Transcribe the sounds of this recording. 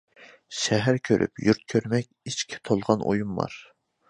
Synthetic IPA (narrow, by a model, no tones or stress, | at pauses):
ʃɛɦæɾkʲʰøɾʔy̰pjuɾt̪̚kʲʰøɾmɛkʲiʃkʲʰi̥t̪ʰolˠʁɑnʔo̰jumːɑ̰ɾ